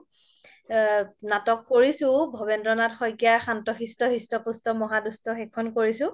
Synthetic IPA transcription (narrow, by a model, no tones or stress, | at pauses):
natɔkːoɹisʊ̃bʱɔbɛndɹɔnatxɔjkiaɹxantɔxistɔxistɔpustɔmɔɦadustɔxɛkʰːɔnkoɹisʊ̃